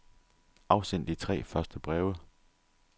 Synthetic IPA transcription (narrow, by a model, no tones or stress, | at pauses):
ɑ̈ʊsen̰d̥it͡sʰʁɛ̰ːfɶɐsd̥əb̥ʁɛːʊə